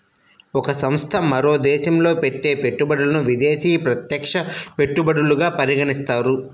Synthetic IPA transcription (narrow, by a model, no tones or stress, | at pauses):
ɔkɐsɐmst̪ʰɐmɐɾo̞ːd̪ɛːʃɐmlo̞ːpe̞ʈːe̞ːpe̞ʈːubɐɽulɐnuʋid̪eːsiːpɾɐt̪jɐkʂɐpe̞ʈːubɐɽuluɡaːpɐɾiɡɐnist̪aːɾu